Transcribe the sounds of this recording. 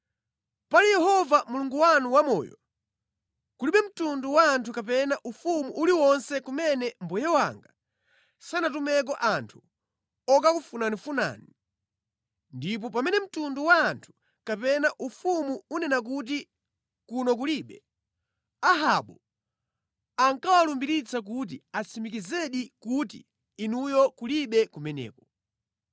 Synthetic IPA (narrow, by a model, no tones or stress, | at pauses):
palijɛhɔvamuluŋɡuwanuwamɔ̰ːjɔ̰ | kuliɓɛm̩tunduwaːntʰukap̬ɛnaʔufumuʔːliwɔnsɛkumɛnɛm̩bɔjɛwa̰ŋɡa | sanatumɛk̬ɔʔantʰu̥ | ɔk̬akufunanifuna̰ːni | ndip̬ɔp̬amɛnɛm̩tunduwaːntʰu̥ | kapɛnaʔufumuunɛnak̬ut̬i | kunɔk̬uliɓɛ | aɦaɓɔ | aŋkawalumbiɾit͡sʰak̬ut̬iat͡simikizɛɗikutḭː | nujɔkuliɓɛkumɛnɛ̰ːkɔ